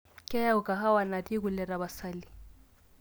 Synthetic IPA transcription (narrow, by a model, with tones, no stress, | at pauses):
kʼɛ˦a˦ʊ˨kʼa˨ɦa˦wa˨na˨di˦kʊ˨lɛ˨ɾa˨ba˨sa˦li˨